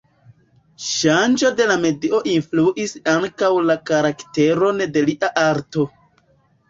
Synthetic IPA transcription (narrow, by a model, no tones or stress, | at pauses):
ʃand͡ʒo̞de̞lame̞dio̞ʔinfluʔisaŋkawlakaɾakte̞ɾo̞nde̞liʔaʔaɾto̞